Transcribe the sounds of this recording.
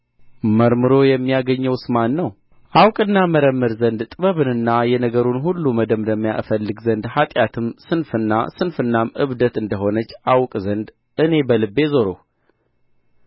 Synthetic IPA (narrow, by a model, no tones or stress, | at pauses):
məɾmɨɾo̞jɛmːijaɡəɲːəwsɨmanːəw | ʔawkʼɨnːaməɾəmːɨɾzənd̪t̪ʼɨβəβɨnɨnːajɛnəɡəɾunhulːuməd̪əmd̪əmːija̰ʔfəlːɨɡzənd̪hat̪ʼjat̪ʰɨmsɨnfɨnːa̰sɨnfɨnːamɨβd̪ət̪ɨnd̪əɦo̞nət͡ʃːawkʼzənd̪ | ɨne̞bəlɨbːe̞zoɾo̰h